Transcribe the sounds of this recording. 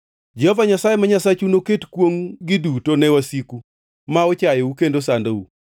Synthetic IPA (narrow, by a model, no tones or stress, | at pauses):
d͡ʒɔvaɲasajemaɲasat͡ʃunoketkwoŋɡɪdutonɛwasiku | maɔt͡ʃajeukendosandau